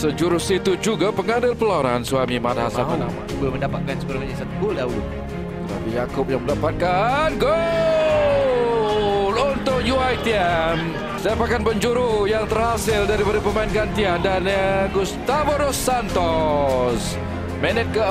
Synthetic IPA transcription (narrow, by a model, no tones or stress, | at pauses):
səd͡ʒuɾʊsit̪ud͡ʒuɡapəŋadɪlpəlaaɾansuamimathasaanamabuaməndapat̪̚kansəbəɾaŋaɲasat̪uɡʊldawʊd̪̚ | t̪ət̪a̰pijakʊp̚jaŋməndapat̪̚kanɡo | lunt̪ʊk̚juajt̪iɛm | sajapakanpəɲd͡ʒuɾujaŋt̪ərhasɪldaɾipadapəmaɪnkant̪iandanɡust̪avoɾosant̪ɔs | mɛnət̪̚kə